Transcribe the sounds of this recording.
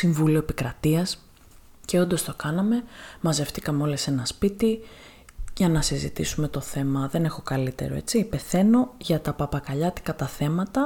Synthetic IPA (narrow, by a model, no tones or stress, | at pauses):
siɱvulioepikɾɐt̪iɐs | ce̞o̞nd̪o̞st̪o̞kɐnɐme̞mɐze̞ft̪ikɐmeo̞lese̞nɐspit̪i | ʝɐnɐsizit̪ḭsume̞t̪o̞θe̞mɐðe̞ne̞xo̞kɐlit̪e̞̰ɾo̰e̞̰t͡sipe̞θe̞no̞ʝɐt̪ɐpɐpɐkɐʎɐt̪i̥kɐt̪ɐθe̞mɐt̪ɐ